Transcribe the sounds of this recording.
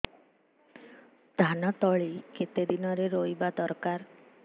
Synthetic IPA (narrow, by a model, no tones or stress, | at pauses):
d̪̥ʱanɔt̪ɔɭiket̪ed̪inɔɾeɾojbad̪ɔɾkaɾ